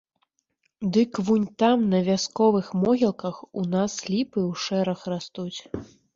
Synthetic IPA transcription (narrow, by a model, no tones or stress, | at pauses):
d̪ɨkvunʲt̪amnɐvʲaskɔvɨxmɔɣʲilˠkɐxunaslʲipɨwʂɛɾɐxrast̪ut͡sʲ